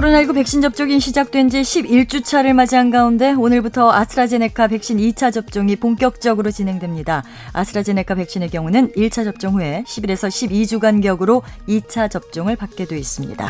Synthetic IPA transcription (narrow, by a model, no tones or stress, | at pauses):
kɾonaɭɡupe̞k̚ɕ͈ind͡ʑʌp̚t͡ɕ͈oɡinɕʰid͡ʑak̚t͈we̞nd͡ʑiɕʰibiɭt͡ɕ͈ut͡ɕʰaɾɯɭmad͡ʑianɡaunde̞onɯɭbutʰʌasʰɾad͡ʑe̞ne̞kʰape̞k̚ɕ͈init͡ɕʰad͡ʑʌp̚t͡ɕ͈oŋipoŋk͈jʌk̚t͡ɕ͈ʌɡɯɾot͡ɕinɦe̞ŋdwemɲida | a̰sʰɯɾad͡ʑe̞ne̞kʰape̞k̚ɕ͈ine̞kjʌŋunɯniɭt͡ɕʰad͡ʑʌp̚t͡ɕ͈ʌŋɦue̞ɕʰibiɾe̞sʰʌɕʰibid͡ʑuɡanɡjʌɡɯɾoit͡ɕʰat͡ɕʌp̚t͡ɕ͈oŋɯɭpak͈̚e̞dwe̞is͈ɯmɲḭda̰